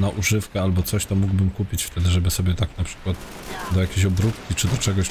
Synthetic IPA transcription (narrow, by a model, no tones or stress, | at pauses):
naʔuʐɘfkɛalbɔt̪sɔɕt̪ɔmuɡwbɘmkupʲit͡ɕft̪ɛd̪ɘʐɛbɘsɔbʲjɛt̪aknapʂɘ̥kwat̪ | d̪ɔjakʲeɕɔbɾupkʲit͡ʂɘd̪ɔt͡ʂɛɡɔɕ